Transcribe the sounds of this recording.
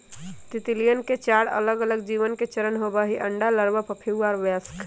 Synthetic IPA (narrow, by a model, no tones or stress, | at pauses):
t̪it̪ilijənket͡ʃaɽə̰ləɡələɡd͡ʒiʋənket͡ʃəɾənɦobəɦiʔəɳɖaləɾbəpəpʰiwaɾʋask